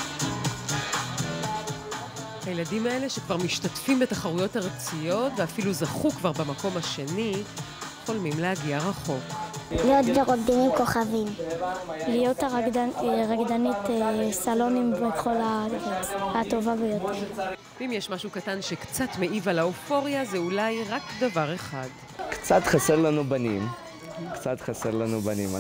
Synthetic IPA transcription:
hajeladimae̞le̞ʃekvaʁmiʃtatfimbetaχaʁujo̞taʁt͡sijo̞tveafiluzaχukvaʁbamako̞mhaʃe̞ni | χolmimleaɡiaʁaχo̞klijot̪deʁot̚d̪inimko̞χavim | lijo̞t̪aaʁaɡd̪anit̪esalo̞nimbeχo̞la | hat̪o̞vavejot̪eʁvimjɛʃmaʃukatanʃekt͡satme̞ʔivalaofo̞ʁijazeulajʁakd̪avaʁe̞χad | kt͡sat̪χaseʁlanubanim | kt͡sat̪χaseʁlanubanima

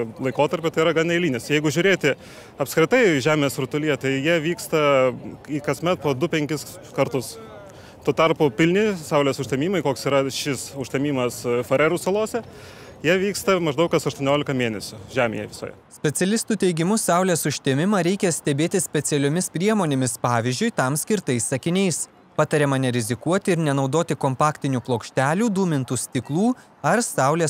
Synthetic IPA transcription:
lˠɐɪkoːt̪ɐɾʲpʲɪt̪ɐɪiɾɐɡɑnɐɪlʲiːnʲɪsjɛɪɡʊʒʲʊɾʲeːt̪ʲɪ | ɐpskɾʲɪt̪ɐɪʒʲæːmʲeːsɾʊt̪ʊlʲijɛt̪ɐɪjiɛʋʲiːkst̪ɐikɐsʲmʲɛt̪̚poːd̪ʊpʲɛŋʲkʲɪs | kɐɾt̪ʊs | t̪oːt̪ɐrpʊpʲɪlʲnʲɪsɐʊlʲeːsʊʃʲt̪ʲɛmʲiːmɐɪkoːksiːɾɐʃʲɪsʊʃʲt̪ʲɛmʲiːmɐsfɐɾʲɛɾuːsɐlˠoːsʲɛ | jiɛʋʲiːkst̪ɐmɐʒd̪ɐʊkɐsɐʃt̪uɔnʲoːlʲɪkɐmʲeːnʲɛsʲʊʒʲæːmʲḛːjɛʋʲɪso̰ːjɛ̰sʲpʲɛt̪sʲɛlʲɪst̪uːt̪ʲɛɪɡʲɪmʊsɑˑʊlʲeːsʊʃʲt̪ʲeːmʲɪmɐɾʲɛɪkʲɛsʲt̪ʲɛbʲeːt̪ʲɪsʲpʲɛt̪sʲɛlʲoːmʲɪspʲɾʲiɛmoːnʲeːmʲɪspɑːʋʲɪzʲd͡ʒʲʊɪt̪ɐmsʲkʲɪɾt̪ɐɪssɐkʲɪnʲɛɪs | pɑt̪ɐɾʲɛːmɐnʲɛɾʲɪzʲɪkuɔt̪ʲɪɪɾnʲɛnɒʊd̪oːt̪ʲɪkompɑːkt̪ʲɪnʲuːplˠoːkʃʲt̪ʲæːlʲuːd̪uːmʲɪnt̪uːsʲt̪ʲɪklˠuː | ɐɾsɑˑʊlʲeː

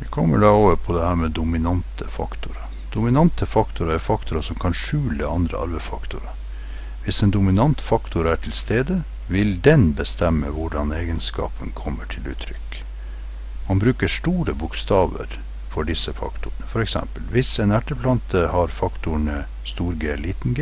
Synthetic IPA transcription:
ʋɪkʰɔmːə̰ɖɑoːʋəɾpʰɔd̪ɛhæːɾmɛd̪ʊmɪnɑnt̪ʰəfɑ̰kt̪ʊɾɑ | d̪̥ʊmɪnɑnt̪ʰəfɑkt̪ʊɾɑæɾfɑkt̪ʊɾɑsɔmkʰɑnʂʉːləɑnd̪ɾə̰ɑ̰ɾbəfɑkt̪ʊɾɑ | ʋɪsɛːnd̪ʊmɪnɑnt̪fɑkt̪ʰʊɾæʈʰɪlst̪eːd̪ə | ʋɪld̪ɛnbəst̪ɛmːəʋʊɖɑneːɡənskɑ̰ːpʰənkʰɔmːəʈʰɪlʉ̰ːt̪ʰɾʏ̰kː | mɑnbɾʉːkəʂʈuːɾəbʊkst̪ɑːʋə̰ɾ | fɔɖɪsːəfɑ̰kt̪ʊəɳəfɔɾɛksɛ̰mpəlʋɪsɛnæʈəpʰlɑnt̪ʰəhɑɾfɑkt̪ʊəɳə | st̪uːɾɡeːliːt̪n̩ɡ

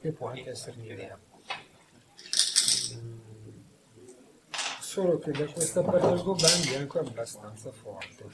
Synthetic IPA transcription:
kepːwɔaŋk̟eɛsːeɾenid̪ɛːa | soːlok̟ed̪akwest̪apart̪edt̪oband̪iaŋkoabːast̪ant̪safɔ̰rt̪e

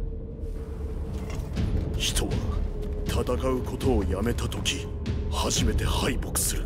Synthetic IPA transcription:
çi̥t̪ʰo̞βa̰t̪ʰat̪akaɯ̟kʰo̞t̪o̞ːjame̞t̪at̪o̞kʲi | haʑime̞t̪e̞haibo̞kɯ̥sɨɾɯ̟

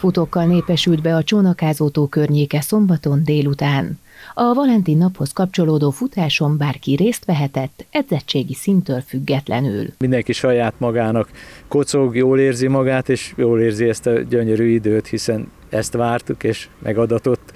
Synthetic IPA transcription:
fut̪o̞kːɒlneːpɛʃyld̪bɛɒt͡ʃoːnɒkaːzoːt̪oːkørɲeːkɛso̞mbɒt̪o̞nd̪eːlut̪aːn | ɒvɒlɛnt̪iːnːɒpho̞skɒpt͡ʃo̞loːd̪oːfut̪aːʃo̞mbaːrkiɾeːst̪ʋɛɦɛt̪ɛt̪ːɛd̪zɛt͡ʃːeːɡisint̪øːlfyɡːɛt̪lɛ̰ny̰lmind̪ɛŋkiʃɒjaːt̪mɒɡaːnɒkːot̪soɡjoːleːrzimɒɡaːt̪eːʃjoːleːrziɛst̪ɒɟøɲøɾyːid̪øːt̪hisɛn | ɛst̪ʋaːrt̪ukeːʃmʔɛ̰ɡɒd̪ɒt̪o̞t̪ː

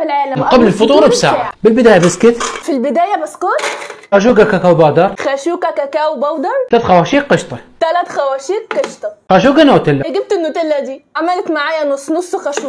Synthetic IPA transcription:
filʕaːlamqablɪlfʊt̪ˤuːɾˤbsa̰ːʕʕabɪlbɪd̪aːjabaskɪt̪filbɪd̪aːjabaskoːt̪xaːʃ̬uːɡakakawbɑːd̪ɑɾˤxaːʃuːkakakaːwbɑwd̪ɑɾˤt̪alaːt̪xawaːʃiːqːɪʃt̪ˤɑt̪alaːt̪xawaːʃiːqːɪʃt̪ˤɑxaʃuːɡanat̪ɪlːaɡɪb̚t̪ʔɪnːʊt̪ɪlːad̪iːʕamalt̪maʕaːjanʊsˤːnʊsˤːxaʃuː

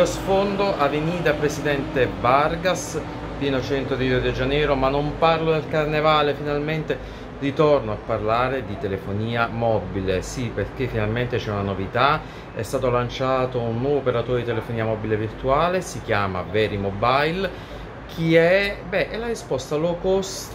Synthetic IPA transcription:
osfond̪oʔavenid̪apɾesid̪ɛnt̪ebarɡas | piːnot͡ʃɛnt̪ɾod̪id̪ed͡ʒanɛːɾomanːomparlod̪elkarnevaːlefinalment̪e | rit̪ornoapːarlaːɾed̪it̪elefoniːamɔbilesiperk̟efːinalment̪et͡ʃɛunanovit̪a | ɛ̰st̪aːt̪olant͡ʃaːt̪ounːwɔːvoːpeɾat̪oːɾed̪it̪elefoniːamɔbilevirt̪uaːlesik̟jaːma̰vɛːɾimɔbajl | kʰiɛbɛʔɛlarispɔst̪alokos

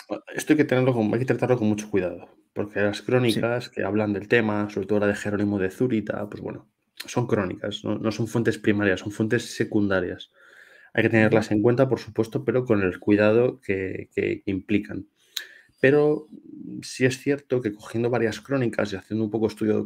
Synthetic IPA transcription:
e̞st̪oajke̞t̪e̞ne̞ɾlo̞koma̰jke̞t̪ɾat̪aɾloko̞nmut͡ʃo̞kwiðað̞o̞ | po̞ɾkelaskɾo̞nikaske̞̰aβland̪e̞lt̪e̞maso̞βɾt̪o̞ðolaðe̞xe̞ɾo̞nĩmoð̞eθuɾit̪a̰pwo̞zβwḛno | so̞ŋkɾo̞nḭka̰sno̰no̞so̞ɱfwe̞nt̪e̞spɾimaɾjasːõ̞ɱfwe̞nt̪e̞sːe̞kund̪aɾjas | a̰jke̞t̪e̞ne̞ɾlase̞ŋkwe̞nt̪apo̞ɾsupwe̞st̪o̞pe̞ɾo̞ko̞ne̞lkwiðað̞o̞ke̞kḛkimplikan | pe̞ɾo̞ | sie̞sθje̞ɾt̪o̞ke̞ko̞xje̞nd̪oβaɾjaskɾo̞nika̰siaθjend̪oumpo̞ko̞est̪uðjo

